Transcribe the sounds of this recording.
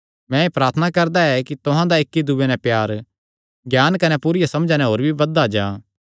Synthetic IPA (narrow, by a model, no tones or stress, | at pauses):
mɛ̃eːpɾaːɾt̪ʰənakɐɾd̪aɛkit̪ʊɦãd̪aɪkːid̪uʋenɛ̃pjaːɾ | ɡjaːnkɐnɛpuːɾɪjasɐmd͡ʒãːnɛɦoːɾbʱibɐd̪ad͡ʒãː